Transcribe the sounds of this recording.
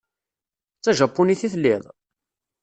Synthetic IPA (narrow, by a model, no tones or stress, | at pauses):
t͡sːæʒæpːuniθiθlːiðˤ